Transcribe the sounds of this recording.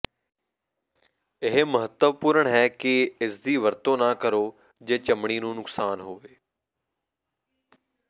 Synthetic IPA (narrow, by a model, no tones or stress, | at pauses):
ɪɦməɦət̪əʋpuːɾəɳɦɛːkɪɪsd̪iːʋəɾt̪õːnaːkəɾoː | d͡ʒeːt͡ʃəmɽ̃iːnũːnʊksaːnɦoːʋeː